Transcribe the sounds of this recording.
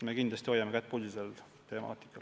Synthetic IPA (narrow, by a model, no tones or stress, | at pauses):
me̞kinlɑst̪iojːɑmekæt̪̚ːpulʲisel | t̪e̞mɑ̰ːt̪ˑi̥kːˑɑl